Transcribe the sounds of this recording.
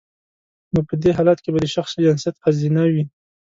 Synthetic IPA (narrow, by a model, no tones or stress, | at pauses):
nopəd̪eɦɑlat̪kebad̪əʃaxsd͡ʒansijat̪qazinawi